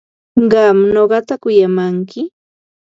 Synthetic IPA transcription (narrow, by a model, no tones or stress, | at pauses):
ɢɑmnoɢɑt̪akʊjamaŋkɪ